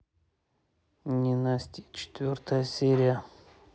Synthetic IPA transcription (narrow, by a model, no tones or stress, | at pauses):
nʲɪnasʲtʲit͡ɕɪ̥t̪vʲort̪əjəsʲeɾʲɪjə